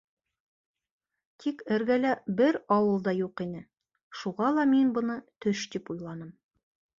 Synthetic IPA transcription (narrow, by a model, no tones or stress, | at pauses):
t̪ʰikɘ̆ɾɡælæbɘɾɑwɤlˠd̪ɑjuqinɘ | ʃuʁɑlˠɑminbɤ̆nɤt̪ɵʃt̪ipujlˠɑnɤm